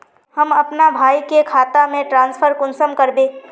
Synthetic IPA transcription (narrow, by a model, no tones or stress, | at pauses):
həmɐpnabʱaːikekʰaːt̪amẽʈɾãːnspʰəɾkʊnsəmkəɾbeː